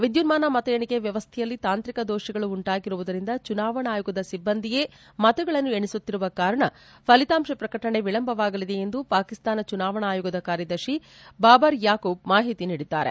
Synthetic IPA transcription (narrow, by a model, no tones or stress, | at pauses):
ʋid̪junmaːnɐmɐt̪ɐjɐɳikeʋjɐʋɐst̪ʰɛjɐlːit̪aːnt̪ɾikɐd̪oːʃiɡɐɭuːɳʈaːɡiɾuʋud̪ɐɾind̪ɐt͡ʃunaːʋɐɳaːjuɡɐd̪ɐsibːɐnd̪ʱije̞ː | mɐt̪uɡɐɭɐnːueɳisut̪ːiɾuʋɐkaːɾɐɳɐ | pʰɐlit̪aːmʃipɾɐkɐʈɐɳe̞ʋiɭɐmbʱɐʋaːɡɐlid̪e̞end̪upaːkist̪aːnɐt͡ʃunaːʋɐɳaːjuɡɐd̪ɐkaːɾjɐd̪ɐɾʃi | baːbɐɾjaːkoːb̚maːɦit̪iniːɽid̪a̰ːɾe̞̰